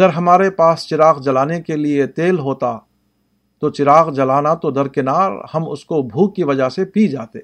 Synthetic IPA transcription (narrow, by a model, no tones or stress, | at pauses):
ɐɡəɾɦɐmaːɾepaːst͡ʃɪɾaːɣd͡ʒɐlaːnekeliet̪eːlɦoːt̪a | t̪ot͡ʃɪɾaːqd͡ʒɐlaːnat̪od̪ɐɾkɪnaːɾhɐmʊ̰skobʱuːkːiʋɐd͡ʒaɦsepid͡ʒaːt̪e